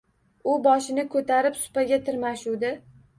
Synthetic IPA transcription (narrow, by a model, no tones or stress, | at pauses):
ʊbɒʃɪnɪkʰɵt̪ʰaɾɪpsʊ̥paɡʲat̪ʰɪɾmaʃuwd̪ɪ